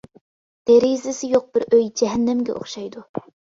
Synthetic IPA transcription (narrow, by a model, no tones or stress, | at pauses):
d̪̥eɾizɪsɪjoq̚b̥ɪɾøjd͡ʒɛɦɛnːɛmɡʲɛ̰ʔo̰χʃɑjd̪u